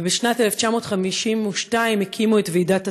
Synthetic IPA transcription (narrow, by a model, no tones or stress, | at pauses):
beʃnateleft͡ʃamo̞ːtχamiʃimuʃtaimhekʰimuetveidata